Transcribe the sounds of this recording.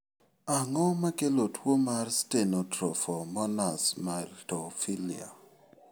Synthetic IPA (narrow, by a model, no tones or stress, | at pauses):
aŋɔmakelotʰwomarstenɔtɾɔ̰fɔmɔnasmaltofilia̰